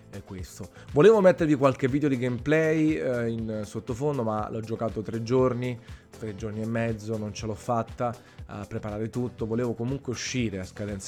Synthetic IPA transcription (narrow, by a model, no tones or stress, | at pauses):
ɛkːwest̪o | voleːvomet̪ːeɾvikwalk̟evːiːd̪eod̪iɡejmplɛjinsot̪ːofond̪omalɔd͡ʒːokaːt̪ot̪ɾed͡ʒːorni | t̪ɾed͡ʒorniemːɛd̪zːonont͡ʃelɔfːat̪ːa | a̰pːɾepaɾaːɾet̪ut̪ːovoleːvokomuŋkweuʃːiːɾeaskad̪ɛns